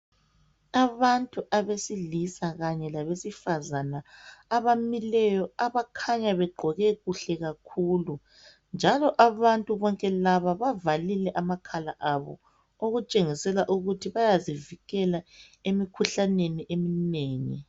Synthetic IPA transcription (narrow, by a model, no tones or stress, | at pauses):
aβantʼuʔaβesilisaɣaɲɛlaβesifazanaːβamilɛjɔaβakʰaɲaβɛɡ͡ǃʱɔɣɛɣuɬɛɣakʰuːlu | nd͡ʒʱalɔʔaβantʼuβɔŋkʼɛlaβaβavalilɛʔamakʰalaʔaβɔ̰ | oɣut͡ʃʼeŋisɛlaʔuɣutʰiβajaziviɣɛla | emikʰuɬaneniʔemineːŋḭ